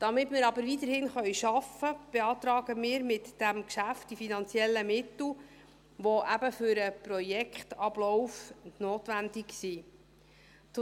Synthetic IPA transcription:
d̥ɑmɪtmɪːɾɑbəɾʋit̪əɾhɪnχœjʃɑfəb̥eɑːt̪ɾɑːɡəmɪːɾmɪtd̥æmkʃæft̚d̥ifinɑnt͡sjɛlːəmɪt̪l̩ | ʋɔʔæbəfʏɾəpɾɔjɛkχtɑb̥lɔwfnoːtʋændiksiː | t

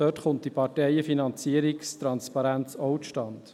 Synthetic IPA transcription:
dœtχʊnt̚d̥ipɑɾtɛjəfinɑnt͡siəɾikst̪ɾɑnspɑɾænt͡sɔwtʃtɑnd̥

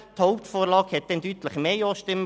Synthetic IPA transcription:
t̪hoʊp̚t̪foːɾlɑːɡhɛt̪̚d̥̪ɛnd̪yːt̪ləχmeːjoːʃtɪm

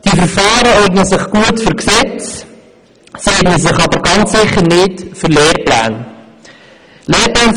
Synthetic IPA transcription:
d̥ifəɾfɑːɾəɔɾɡnəsɪχɡ̥uətfʏɾksɛt͡s | seːdnəsɪχɑbəɾɡɑnt͡ssɪχəɾnɪtfʏɾleːɾpla̰ːn | leːɾplaːn

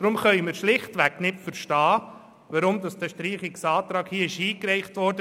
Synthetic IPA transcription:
d̥ɾʊmχœʏmiːɾʃlɪχtʋɛknɪtfəɾʃtɑː | ʋɑɾʊmdɑsd̥ɛʃtɾiːχɪksɑːtɾɑːkhiːɪʃiːkɾɛɪχtʋɔɾdə

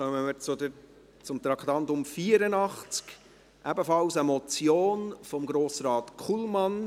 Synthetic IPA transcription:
œməmət͡sʊdəɾ | t͡sʊmt̪ɾɑkχt̪ɑnt̪ʊmfiəɾənɑχt͡sk | ʔæbəfɑlsəmɔt͡sjoːnfɔmɡɾoːsɾɑːt̪kʰχulmɑn

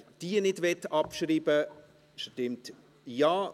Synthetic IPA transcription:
d̥iːənɪdvɛtːɑpʃɾiːbə | ʃtɪmt | jaː

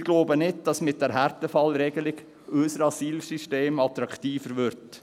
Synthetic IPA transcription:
ɡ̥loːbənɪd̚d̥ɑsmɪt̚d̥ɛɾɦæɾtəfɑlɾɛɡəlɪɡ | œsəɾɑsiːlsyʃteːmɑt̪ɾɑktiːfəɾʋʏɾt

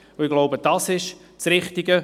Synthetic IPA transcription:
oɪɡloʊbəd̥ɑsɪʃ | t͡srɪχtɪɡə

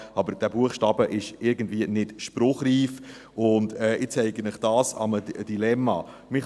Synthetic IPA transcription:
ɑbəɾd̥æːbuəχʃtɑːbəʔɪʃɪɾɡən̩dviːənɪtʃpɾʊχriːf | ʊndɛːʔɪt͡sɛɪɡənɪχd̥ɑːsɑ̰məd̥ilɛmːɑ | mɪχ

